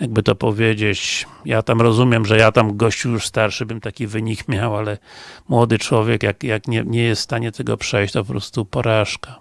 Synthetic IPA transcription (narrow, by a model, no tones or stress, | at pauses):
jaɡ̚bɘt̪ɔpɔvʲjed͡ʑet͡ɕjat̪amɾɔzumʲjɛmʐɛjat̪amɡɔɕt͡ɕujuʂst̪aɾʂɘbɘmt̪akʲivɘɲikmʲjawalɛmwɔd̪ɘt͡ʂwɔvʲjɛkjakjakɲɛɲɛjɛst̪st̪aɲɛt̪ɛɡɔ̰pʂɛjɕt͡ɕt̪ɔpɔpɾɔst̪upɔɾaʂka